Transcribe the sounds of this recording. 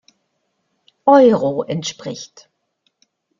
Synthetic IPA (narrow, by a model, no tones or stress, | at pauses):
ʔɔʏʁoʔɛntʃpʁ̥ɪçt